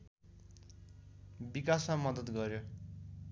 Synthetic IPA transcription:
bikasmamʌd̪ʌt̪ɡʌɾjo

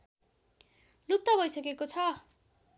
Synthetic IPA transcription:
lut̪ːʌbʱʌjsʌkekot͡sʰʌ

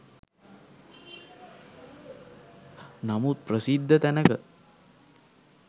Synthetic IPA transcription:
namut̪̚pɾəsid̪ʱːət̪ænəkə

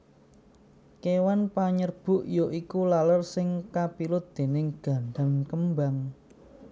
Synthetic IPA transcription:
kewanpaɲərb̥ʊ̤ʔjoʔikulalərsɪŋkapilʊt̪̚d̪̥e̤nɪŋɡ̥a̤ɳɖankəmbaŋ

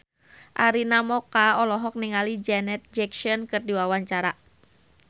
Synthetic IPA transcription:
ʔaɾinamɔkaɔlɔɦɔk̚niŋalid͡ʒɛnɛt̪̚d͡ʒɛkʃɔnkɨrdiwawaɲt͡ʃaɾa

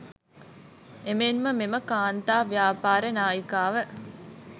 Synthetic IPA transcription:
emeːnməmeməkaːnt̪aːʋjaːpaːɾenaːjikaːʋə

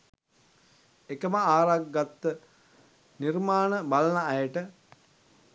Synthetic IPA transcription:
ekəməaːɾaɡːat̪ːə | nirmaːnəbalənaːjəʈə

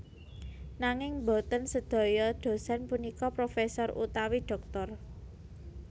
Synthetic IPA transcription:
naŋɪŋbɔ̤t̪ənsəd̪̥ɔ̤jɔd̪̥o̤sanpunikɔpɾofesɔrṵt̪awiɖ̪̥ɔ̤k̚t̪ɔr

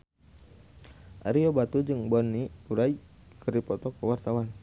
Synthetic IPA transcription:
ʔaɾiɔbat̪ud͡ʒɨŋbɔnːiuɾai | kəripɔt̪ɔkəwart̪awan

